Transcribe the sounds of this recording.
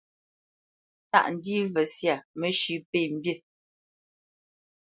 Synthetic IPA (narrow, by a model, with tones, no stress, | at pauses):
ta̰˦˨ʔn̩˨diː˦vɛ˨sja˦˨mə˨ʃʉ˨˦pe˦˨m̩˦bje˦˨